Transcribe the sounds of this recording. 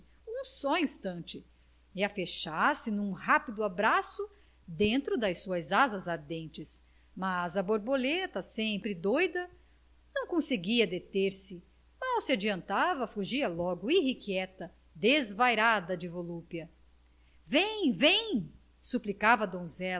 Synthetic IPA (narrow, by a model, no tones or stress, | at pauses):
ũsɔĩst̪ɐ̃nt͡ʃɪ | iɐfeʃaɾsɪnũhapid̪ʊabɾasʊ | d̪ẽnt̪ɾʊd̪ɐjsuɐzazɐzaɾd̪ẽnt͡ʃɪs | mazɐboɾbolet̪ɐsẽmpɾɪd̪ojd̪ɐ | nɐ̃w̃kõseɡiɐd̪et̪eɾsɪ | mawsɪad͡ʒiɐ̃nt̪avɐfuʒiɐlɔɡʊihikiɛt̪ɐ | d̪ezvajɾad̪ɐd͡ʒɪvolupiɐ | vẽj̃vẽj̃ | suplikavɐd̪õzɛl